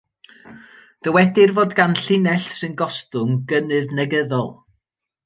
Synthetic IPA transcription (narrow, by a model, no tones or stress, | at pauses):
d̥əwɛdɪrvoːdɡanɬɪnɛɬsɨnɡɔstʊŋɡənɨðnɛɡəðɔlˠ